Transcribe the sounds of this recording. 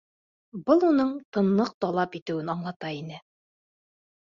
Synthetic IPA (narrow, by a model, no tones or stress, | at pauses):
bɤlˠunɤɴt̪ɤ̆nːˠɤq̚t̪ɒlˠɑpit̪ɘ̆wɘnɑɴlˠɑt̪ɑinɘ